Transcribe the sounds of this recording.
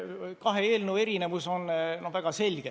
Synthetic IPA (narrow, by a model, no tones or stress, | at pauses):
kɑɦeeːlnue̞ɾine̞vuso̞nnovæɡ̥ɑse̞lʲɡ̥e